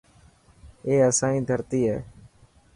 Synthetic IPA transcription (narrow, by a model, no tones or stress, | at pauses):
eːəsãːĩːd̪ʱəɾt̪iːɦɛː